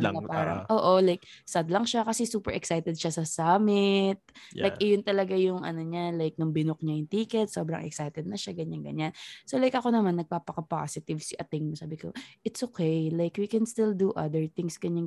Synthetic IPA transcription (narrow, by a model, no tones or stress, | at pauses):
ɐpaːɾɐ̰ŋʔoːʔolajk̚sɐd̪lɐŋʃakɐsɛsuːpɛɹʔɛksajt̪ɛd̪̚ʃasɐsaːmɪt̪̚lajkʔɪjont̪ɐlɐɡajʊŋʔɐ̰noɲalajk̚nʊŋbɪnok̚ɲajʊŋt̪iːkɛt̪̚soːbɾɐ̰ŋʔɛ̰ksajt̪ɛd̪̚nɐʃaɡɐɲaŋɡɐ̰ɲansolajkɐko̞nɐmanːɐɡ̚paːpɐkɐpa̰sɪt̪ɪvsɪʔɐt̪ɪŋmɐsaːbɪko̰ʔɪt̪sʔokejlajkwikɛnst̪ɪld̪uʔɐ̰d̪əɹθɪŋsɡ̥ɐɲaŋ